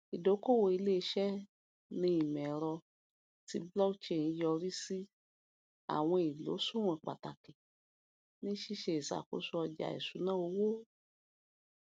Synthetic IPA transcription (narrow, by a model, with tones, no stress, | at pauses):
i˨do˨˦ko˦˨wo˨i˧le˦˧ʃɛ˦ | nĩ˦i˨mɛ̃˨ɾɔ˧ | ti˧˦blɔ˦kt͡ʃe˦˨nĩ˦jɔ˧ɾi˦si˦ | a̰˨w̃ɔ̃˧i˨lo̰˨˦sũ˦w̃ã˨k͡pa˨ta˨ke˨ | nĩ˦ʃi˦ʃe˧i˨sa̰˨ko̰˨˦su˦ɔ˧d͡ʒa̰˨ḭ˨su˨˦nã˦o˧wo˦